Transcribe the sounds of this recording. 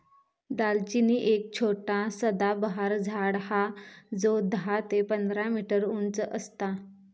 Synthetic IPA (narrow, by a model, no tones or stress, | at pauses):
d̪alt͡ɕiniːʔek̚t͡ɕʰoʈãsəd̪abəɦaɾd͡zʱaɽhad͡zod̪ɦat̪epənd̪ɾamiʈəɾunt͡səʔəst̪a